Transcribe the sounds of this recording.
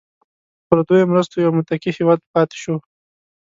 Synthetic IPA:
pəɾd̪ojomɾəst̪ojawmʊt̪akihewɑd̪pɑt̪e̥ʃo

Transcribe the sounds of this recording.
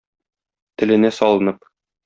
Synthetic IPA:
t̪ɘ̆lɘ̆næsɒlˠɤ̆nɤp̚

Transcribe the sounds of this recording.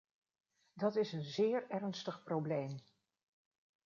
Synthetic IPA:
dɑtɪsənzɪːɹɛrnstəχprowblejm

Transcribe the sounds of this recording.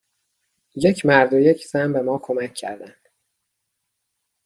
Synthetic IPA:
jecʰmæɾd̪ojecʰzæmbe̞mɒːkʰo̞mæcʰːæ̰ɾd̪ænd̪̥

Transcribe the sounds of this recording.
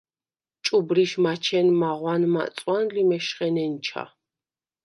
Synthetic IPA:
t͡ʃʼubɾiʃmat͡ʃʰɛnmaʁwanma̰t̪sʼwanlimɛʃχɛnɛnt͡ʃʰa̰

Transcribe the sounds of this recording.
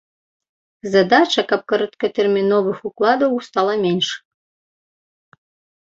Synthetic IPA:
zɐd̪at͡ʃɐkɐp̚kɐɾɐt̪kɐt̪ɛrmʲinɔvɨxuklˠad̪ɐwst̪alˠɐmʲenʂ

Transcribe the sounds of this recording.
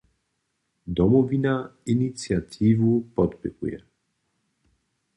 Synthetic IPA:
d̪ɔmɔvinainit̪siat̪ʰivupɔt̪pɛkṵjɛ̰

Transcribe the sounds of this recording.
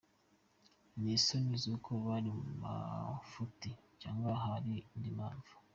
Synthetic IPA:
misonizukʰoβaɾimuma̰futit͡ʃaːŋɡwaɦaɾindima̰ːɱvu̥

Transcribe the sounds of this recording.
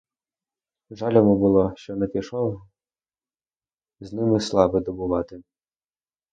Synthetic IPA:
ʒɑlʲɔmʊbʊlˠɔʃt͡ʃɔnɛpʲiʃɔw | znɪmɪslˠɑbɪd̪ɔbʊʋɑt̪ɪ

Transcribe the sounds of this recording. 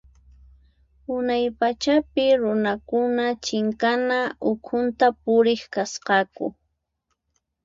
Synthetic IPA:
ʊnajpat͡ʃapɪɾʊnakʊnat͡ʃɪŋkanaʔʊkʰʊnt̪apʊɾɪχkasqɑkʊ̰

